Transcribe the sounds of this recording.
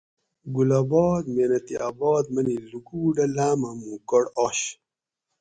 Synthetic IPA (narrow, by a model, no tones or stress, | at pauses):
ɡulabɔːd̪meːnɐt̪iʔaːbɔːd̪̚mɐniluɡuːɖɐlaːmɐmũkoɽoɕ